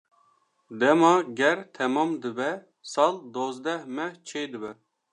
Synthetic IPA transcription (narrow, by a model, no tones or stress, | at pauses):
d̪ɛmɑɡʲɛɾt̪ʰɛmɑmd̪ɨbɛ | sɑld̪ozd̪ɛhmɛt͡ʃʰejd̪ɨbɛ